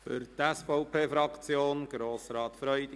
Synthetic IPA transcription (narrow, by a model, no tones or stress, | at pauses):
fʏ̰ɾt̪ɛsfɔʊpʰeːfɾɑkt͡sjoːnɡ̥ɾoːsɾɑːt̪fɾœʏd̥̪ɪ